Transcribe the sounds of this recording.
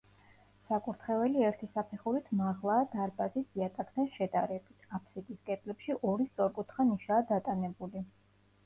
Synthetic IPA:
sakʼuɾt̪ʰχɛvɛliɛɾt̪ʰisapʰɛχuɾit̪ʰmaʁlˠaːd̪aɾbazisd̪iat̪ʼakʰd̪anʃɛd̪a̰ɾɛbit̪ʰapʰsik̪ʼiskʼɛt̪ʼlɛpʃiʔɔɾist̪sʼɔɾkʼut̪ʰχaniʃaːd̪at̪ʼanɛbuli

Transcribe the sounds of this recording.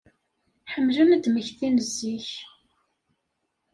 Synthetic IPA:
ħəmːləmd̪məçθinəzːiç

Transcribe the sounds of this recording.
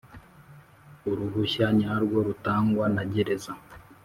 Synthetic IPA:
uɾuɦuçaɲaɾɡwo̞ɾutaːŋɡwanaɟeɾe̞za

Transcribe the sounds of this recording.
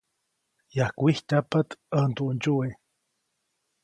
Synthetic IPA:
jahkʷihcapat̪ənt̪uʔnt͡ʃue

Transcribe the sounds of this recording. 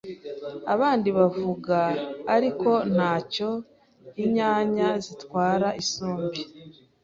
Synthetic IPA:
aβaːndiβavuɡaːɾiko̞n̥haːco̞ | iɲaːɲazitwaːɾaʔiso̞ːmbi

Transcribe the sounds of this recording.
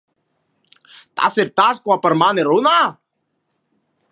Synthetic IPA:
t̪a̰ːsɪɾt̪aːskoaːpəɾmaːneːɾoːnaː

